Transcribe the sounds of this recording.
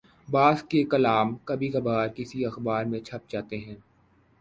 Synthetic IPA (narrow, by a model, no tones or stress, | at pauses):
baːzkekɐlaːmkɐbʱikɐbaːɾkɪsiɐxbaːɾmẽt͡ʃʰɐp̚d͡ʒaːt̪eɦɛ̃ː